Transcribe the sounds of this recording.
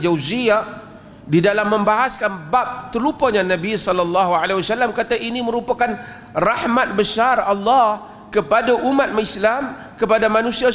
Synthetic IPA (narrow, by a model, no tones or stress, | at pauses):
d͡ʒawziaʔ | didalamːəmbaɦaskanbap̚t̪əlupəɲanabisɔlɔlːɑɦualawasalːamkat̪aʔiniməɾupakan | rahmat̪̚bəsarɑlːɑh | kəpadaʔumat̪̚maislam | kəpadamanũsia